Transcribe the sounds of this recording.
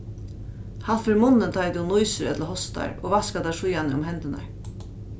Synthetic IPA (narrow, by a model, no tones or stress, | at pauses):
hat̪fʏɾmʊnːɪnt̪ʰajt̪unujsɪɾɛ̰t̪lahɔst̪a̰ɾɔ̰ːɣʋaskat̪aʂujanɪʊmɦɛnt̪ɪna̰ɹ